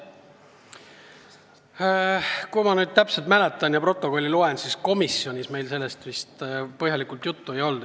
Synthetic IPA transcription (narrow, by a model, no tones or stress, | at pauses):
kujmɑnyːd̪̥̚t̪æpselt̪̚mælet̪ːˑɑnjɑpro̞t̪ˑːo̞ko̞lʲːilue̞nsisko̞misio̞nʲisme̞jlse̞lːe̞st̪vist̪pɤɦhjɑlikult̪jut̪ːue̞jo̞ld̪̥